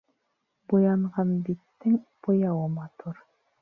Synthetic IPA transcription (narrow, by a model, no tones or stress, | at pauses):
bujɑɴʁɑnbit̪ːɘŋb̥ojɑwɤmɑt̪uɾ